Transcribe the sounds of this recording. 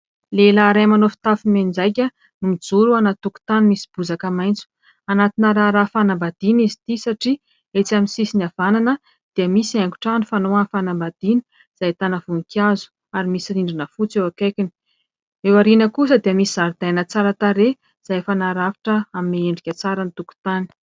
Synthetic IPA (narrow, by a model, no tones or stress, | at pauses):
lelaːɾajmanofi̥t̪afimed͡zajk̬ʲə | numid͡zuɾuanat̪uku̥t̪animisi̥b̥uzakəmajnt͡su̥ | anat̪inəɾaɾafanambad̪̥inizit̪isaʈ͡ʂi | et͡saminsisiniavananə | d̪̥iəmisiaŋku̥ʈ͡ʂanifanoafanambad̪̥ini̥ | z̥ajt̪anavunikʲazu̥ | aɾimisiɾiɳɖ͡ʐinəfut͡sewakajkʲini̥ | ewaɾinəkusəd̪iəmisizaɾd̪ajnət͡saɾət̪aɾe | z̥ajfanaɾavi̥ʈ͡ʂəamineeɳɖ͡ʐikʲat͡saɾənit̪uku̥t̪ani̥